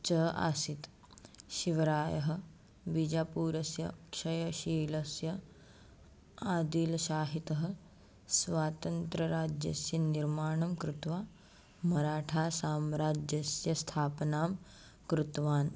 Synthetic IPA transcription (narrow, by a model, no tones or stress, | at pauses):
t͡ʃɐɦʔa̰ːsit̪ | ʃiʋɐɾaːjɐɦɐ̆ | bid͡ʒaːpuːɾɐsjɐ̰kʂɐjɐʃiːlɐsjɐ | aːd̪iːlɐʃaːɦit̪ɐɦɐ̆ | sʋaːt̪ɐnt̪ɾɐɾaːd͡ʒjɐ̰sjɐniɾmaːɳɐmkɾut̪ʋaː | mɐɾaːʈʰaːsaːmɾaːd͡ʒjɐsjɐst̪ʰaːpnaːm | kɾut̪ʋaːn